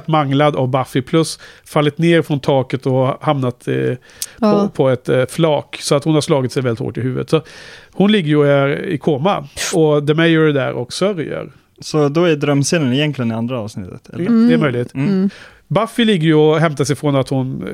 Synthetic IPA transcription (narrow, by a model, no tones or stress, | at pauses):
t̪maŋlad̪ɔvbafːɪpʰlɵsfalːət̪neːɾfɾɔnt̪ʰɑːkət̪ɔhamnat̪ | pʰɔɛt̪flɑːksɔat̪hʊnhaɾʂlɑːɡɪt̪sɛjvɛlɪt̪o̰ːʈɪɦʉ̟ːvə̰t̪sɔhʊnlɪɡːəɾjɵæɾɪ̰kʰoːmaɔd̪əmɛjəɾd̪æ̰ɾɔksœɾjə̰ɾ | sɔd̪ɔæd̪ɾœmːseːnənɪjɛnk̪lɪɡənɪand̪ɾaɑ̰ːvsnɪ̰t̪ːə̰t̪d̪ɛɛɾmœjlɪɡt̪ | bafɪlɪɡːəɾjəɔɦɛmt̪asɛɪjfɾɔnat̪hʊn